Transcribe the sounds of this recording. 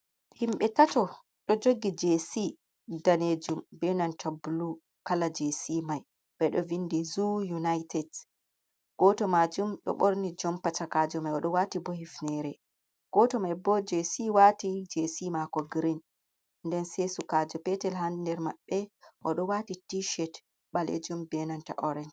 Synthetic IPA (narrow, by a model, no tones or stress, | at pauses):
himɓɛtatɔ | ɗɔd͡ʒoɡːid͡ʒesi | daned͡ʒumbɛnantʰabulu | kalad͡ʒesimaj | b̥ɛɗɔvindɛzujunajtʰɛd | ɡ̥ɔtɔmad͡ʒumɗɔ̰ɓoɾnid͡ʒɔmpatakad͡ʒɔmajɔɗɔwatibɔhifnɛɾɛ | ɡ̥ɔtɔmajbɔd͡ʒesiwatid͡ʒesimakɔɡɾin | ndɛnsesukad͡ʒɔpɛtɛlɦandɛɾmaɓːɛʔɔɗɔwatitiʃɛt | ɓalḛd͡ʒumbɛnanta̰ʔɔɾɛnd͡ʒ